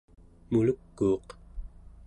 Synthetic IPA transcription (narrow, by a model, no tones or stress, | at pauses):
muləkːuːq